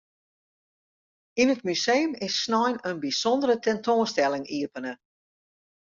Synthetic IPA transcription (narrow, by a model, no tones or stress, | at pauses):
inətmysejəmɪsːnɔjnənbisɔndəɾətɛntʰoːnstɛlˠɪŋiəpənə